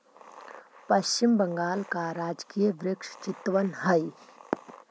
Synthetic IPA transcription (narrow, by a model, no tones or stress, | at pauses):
pɐʃt͡ʃɪmbəŋɡaːlkaɾaːd͡ʒkiːjʋɾɪkʃt͡ʃɪt̪ʋənɦəi